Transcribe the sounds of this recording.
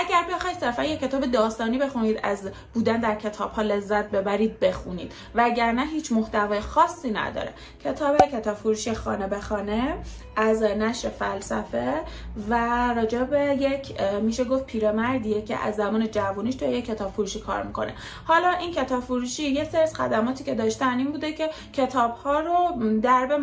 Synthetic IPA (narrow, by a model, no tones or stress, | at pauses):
ʔæɟæɾbe̞xɒːjd̪se̞ɾfænjecʰːe̞t̪ɒːbe̞d̪ɒːst̪ɒːniːbe̞xuniːd̪æz | buːd̪ænd̪æɾcʰe̞t̪ʰɒːb̥hɒːle̞zːæt̪̚be̞bæɾiːd̪̚be̞xuniːd̪̥ | vææɟæɾnæɦiːt͡ʃʰmoht̪ævɒːjexɒːsːiːnæ̰d̪ɒ̰ːɾḛ | cʰe̞t̪ʰɒːbecʰe̞t̪ʰɒːb̥foɾuːʃijexɒ̰ːnebe̞xɒːne | ʔæznæʃɾefælsæfevæɾɒːd͡ʒebeje̞cʰmiʃe̞ɡoft̪̚pʰiːɾemæɾd̪ijecʰḛʔæ̰zːæmɒːned͡ʒævuniːʃt̪ʰujejecʰːe̞t̪ʰɒːb̥foɾuːʃiːkʰɒ̰ɾmikʰo̰ne̞̰ | hɒːlɒːʔincʰe̞t̪ɒːbfoɾuːʃiːjeseɾsxæ̰d̪æmɒːt̪ʰiːcʰe̞d̪ɒːʃt̪æniːnbuːd̪ecʰe̞ | cʰe̞t̪ʰɒːb̥hɒːɾod̪æɾbe